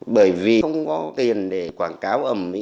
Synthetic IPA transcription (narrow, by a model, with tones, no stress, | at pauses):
ɓəː˧˩jvi˨˩xə˧wŋ͡mkɔ˨˦t̪i˨˩ənɗe˧˩kwaː˧˩nkaː˨˦wʔə˧˩mmḭ˧˥